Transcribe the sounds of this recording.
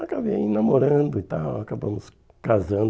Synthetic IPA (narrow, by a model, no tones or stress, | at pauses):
akaviaĩnamoɾɐ̃d̪ʊit̪awakabɐ̃mʊs | kazɐ̃nd̪